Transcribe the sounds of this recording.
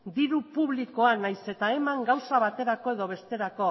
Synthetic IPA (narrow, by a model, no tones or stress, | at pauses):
d̪iɾupuβliko̞anajse̞t̪ae̞maŋɡawsaβ̞at̪e̞ɾako̞e̞ðo̞β̞e̞st̪e̞ɾako̞